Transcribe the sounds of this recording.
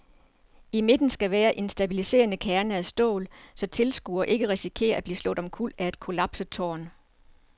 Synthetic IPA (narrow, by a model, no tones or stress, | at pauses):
ime̝d̥n̩sɡ̥æʋæːɐʔe̝nsd̥æbilise̝̰ːɐnəkʰæɐnəæsd̥ɔ̰̽ːlsɒ̽t͡sʰe̝lsɡ̥uɐʔe̝ɡ̥əʁɛsikʰe̝̰ːɐæb̥liːslɔ̰̽ːd̥ɒ̽mkʰul̰d̥æe̝d̥kʰo̝lɑb̥sət͡sʰɒ̰ːn